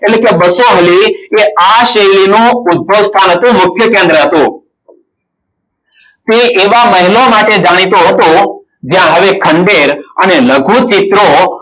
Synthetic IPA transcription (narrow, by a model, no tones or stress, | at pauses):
eʈlekebəsoɦəlieaʃəjlinũʊd̪̚bʱəʋst̪ʰanɦət̪ũmʊkʰjəkẽnd̪ɾəɦət̪ũ | t̪eʔeʋaməɦilomaʈed͡ʒaɽ̃it̪oɦət̪õ | d͡ʒjãɦəʋekʰəɳɖeɾəneləɡʱũt͡ʃit̪ɾo